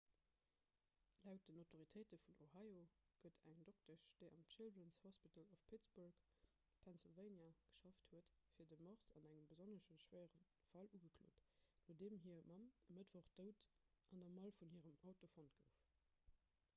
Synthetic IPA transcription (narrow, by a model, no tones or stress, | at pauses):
læʊt̚d̥ənaʊtʰoʁitʰɜɪtəfunohɑjoɡ̥ədʰæŋdok̚təʃd̥eɪʔɑmʃɪldənshɔspitəlofpʰitt͡sburk | pʰɛnsilvəɪnjaɡ̥ə̥ʃɑfthuətfiːɐdəmɔʁzɑnæŋəmbəzonəʃəʃwæɪəʁən | fɑluɡəkʰlo̰ːtnoːdeːmɦiːɐmɑməmətv̥oχd̥əʊtʔɑndɑmɑlfunhiːəʁəmɑʊtofont̚ɡ̥əʊf